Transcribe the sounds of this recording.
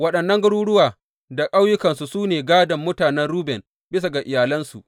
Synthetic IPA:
wɐ˦ɗɐ˨nːɐ˦ŋɡɐ˦ɽuː˦ɽʊ˦waː˨ | da˨kʼa˦wjʊ˦kɐ˨nsu˨suː˦neː˨ɡaː˦dɐ˨mːʊ˦taː˨nɛ˦nɾuː˦bɛ˨n | bɪ˦s̬a˨ɡa˨ʔɪ˨jaː˨lɐ˦nsu˨ʔ

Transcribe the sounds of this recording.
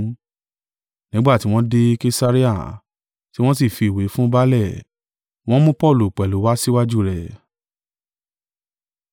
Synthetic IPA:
nĩ˦ɡ͡ba˦˨ti˨˦w̃ɔ̃˦de˧ke˧sa˧ɾi˦a˦˨ | ti˨˦w̃ɔ̃˦s̬i˦˨fi˨we˨˦fũ˦ba˦lɛ˦˨ | w̃ɔ̃˦mũ˦pɔ˦˨lu˨k͡pɛ˨lu˨˦wa˦si˦wa˦d͡ʒu˦˨ɾɛ˨

